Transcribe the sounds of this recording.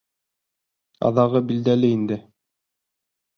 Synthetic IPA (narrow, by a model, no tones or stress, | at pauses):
ɑ̰ðɑʁɤbild̪ælɘind̪ɘ